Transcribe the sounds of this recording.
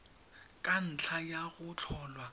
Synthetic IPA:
kʼan̩t͡ɬʰajaɣʊt͡ɬʰɔːlwa

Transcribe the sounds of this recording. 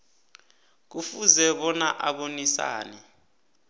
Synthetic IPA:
k̬ufuzɛɓɔnaʔaɓonisa̰ːnɛ

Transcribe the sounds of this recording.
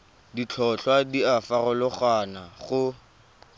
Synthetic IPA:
dit͡ɬʰɔɬwadiafarʊlʊχwanaχʊ

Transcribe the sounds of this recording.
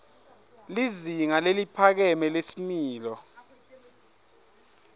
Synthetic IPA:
liziŋalelipʰak̬ɛmɛlesimiːlɔ

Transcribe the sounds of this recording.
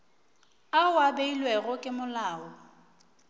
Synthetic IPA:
awabeilwɛɣʊkʼɪmʊlaːɔ

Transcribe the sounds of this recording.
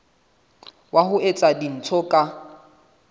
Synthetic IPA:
wʔaɦʊet͡sʼadin̩t͡sʰɔkʼa

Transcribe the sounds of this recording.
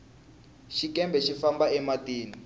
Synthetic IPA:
ʃikɛmbɛʃifambaɛmatiːni

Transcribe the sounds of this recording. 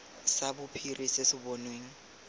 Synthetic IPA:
sabʊpʰirʔisɪsɪbɔnweːŋ̩

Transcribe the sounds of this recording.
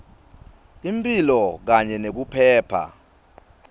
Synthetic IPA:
impʼilɔk̬aɲɛnek̬upʰɛːpʰa̰

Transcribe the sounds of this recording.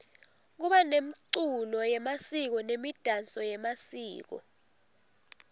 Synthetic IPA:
k̬uɓanemiǀulɔjɛmasik̬ɔnemid̥ʱant͡sʼɔjɛmasiːk̬ɔ̰

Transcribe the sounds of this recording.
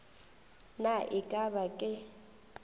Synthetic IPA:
naʔɪkʼabakʼɪ

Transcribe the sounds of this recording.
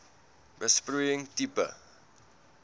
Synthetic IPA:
bəsprujɪŋtipə̰

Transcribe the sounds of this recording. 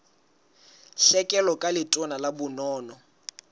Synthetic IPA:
ɬɛkʼɛlɔkʼalɪtʼɔnalabʊnɔːnɔ

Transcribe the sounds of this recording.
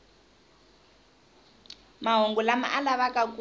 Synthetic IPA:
maɦoŋɡulama̰ʔalaβakʼaku

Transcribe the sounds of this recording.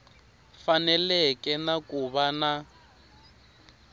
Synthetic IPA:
fanɛlɛkʼɛnakuβana

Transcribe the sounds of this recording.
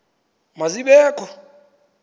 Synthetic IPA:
maziɓɛːkʰʼɔ

